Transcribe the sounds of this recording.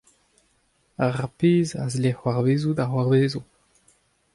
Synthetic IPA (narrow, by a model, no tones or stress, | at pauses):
aʁpeːzazlehwaʁbeːzud̪aχwaʁbeːzu